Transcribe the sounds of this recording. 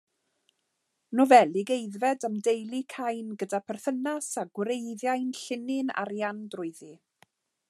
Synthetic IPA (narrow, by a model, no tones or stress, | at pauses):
nɔvɛlˠiɡejðvɛdəmdejlˠikʰajnɡədapʰɛrθənasaɡwɾejðjajnɬɪnɪna̰ɾjandrʊɨðɨ